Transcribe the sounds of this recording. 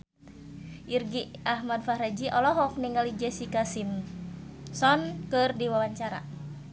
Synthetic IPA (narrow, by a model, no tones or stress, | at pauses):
ʔirɡiaɦmadfaɾad͡ʒiʔɔlɔɦɔkniŋɡalid͡ʒɛsikasim | sɔnkɨrdiwawaɲt͡ʃaɾa̰